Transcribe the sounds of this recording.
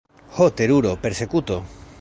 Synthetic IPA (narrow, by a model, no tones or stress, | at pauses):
xot̪eɾuɾopeɾsekut̪o